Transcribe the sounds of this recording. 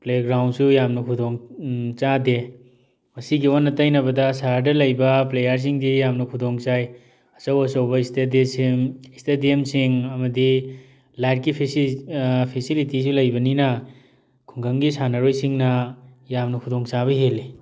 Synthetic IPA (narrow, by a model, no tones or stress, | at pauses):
pleɡɾawnsujamnɐkʰudoŋt͡ʃade | mɐsiɡionːɐtɐjnɐbɐdɐsaɾɾdɐlɐjbɐplejɐɾs̬iŋdijamnɐkʰudoŋt͡ʃaj | ɐsɐwɐsɐwbɐistedesiŋistediemsiŋɐmɐdi | lajt̚kipʰiipʰisilitis̬ulɐjbɐninɐ | kʰuŋɡɐŋɡisanɐɾojsiŋnɐjamnɐkʰudoŋt͡ʃabɐɦeli